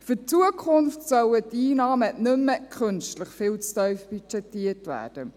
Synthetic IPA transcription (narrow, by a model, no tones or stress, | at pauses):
fʏt͡suəkʰχʊnftsœwətiːnɑːmənʏmːəkʰχɵnʃtləχfɪːlt͡stœɥfb̥yt͡ʃɛtiətvæ̰ːd̥ə